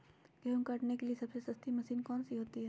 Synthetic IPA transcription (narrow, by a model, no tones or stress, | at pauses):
ɡiuŋkɐʈnekeliesɐbsesɐst̪ʰimɐsiːnkɔːnsiɦoːt̪iɦɛː